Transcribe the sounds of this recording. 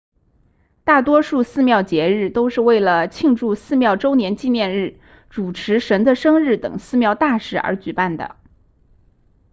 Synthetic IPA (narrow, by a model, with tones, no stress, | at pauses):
t̪a˥˩t̪wɔ˥ʂu˥˧sɹ̩˥˧mjɑ˥˩ʊt͡ɕjɛ˧˥ɻɻ̩˥˩t̪o˥ʊʂɻ̩˥˧we˥˩ɪlə˩t͡ɕʰi˥˧ŋʈ͡ʂu˥˧sɹ̩˥˧mjɑ˥˩ʊʈ͡ʂo˥ʊnjɛ˧˥nt͡ɕi˥˧njɛ˥˧nɻɻ̩˥˩ | ʈ͡ʂu˨˩ʈ͡ʂʰɻ̩˧˥ʂə˧˥nd̪ə˧ʂɤ˥ŋɻɻ̩˥˩t̪ɤ̰˨˩ŋsɹ̩˥˧mjɑ˥˧ʊt̪a˥˧ʂɻ̩˥˩ə̰˧˥t͡ɕy˨˩pa˥˩nd̪ə̰˩